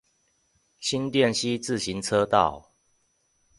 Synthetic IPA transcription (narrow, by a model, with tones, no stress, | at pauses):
ɕi˦nt̪jɛ˥˨nɕi˦t͡sɹ̩˥˨ɕi˨˦nt͡sʰɤ˦t̪ɑ˥˨ʊ